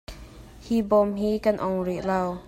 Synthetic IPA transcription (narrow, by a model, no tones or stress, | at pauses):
hibɔmhikanʔɔŋɹiʔlaw